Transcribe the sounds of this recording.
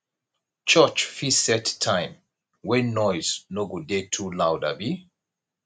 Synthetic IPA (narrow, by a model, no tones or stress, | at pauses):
t͡ʃɜt͡ʃfisɛttʰːãɪ̃m | wɛ̃nːɔjznoɡudetʰulawda̰bi